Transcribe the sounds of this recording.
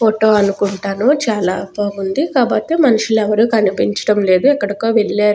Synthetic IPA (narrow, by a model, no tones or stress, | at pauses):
poʈoːɐnukuɳʈaːnut͡ʃaːlaːpoːɡund̪ikaːboːt̪ːe̞ːmɐnɐʂulɛʋɐɾukɐnipiɲt͡ʃɐ̥ɽɐmle̞ːd̪uɛkːɐɽɐkoːʋelːeːɾu